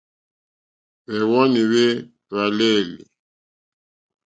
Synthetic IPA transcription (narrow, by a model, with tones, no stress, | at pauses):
βɛ˨wɔ˦ni˨βe˦ | βa˨le˦˨li˨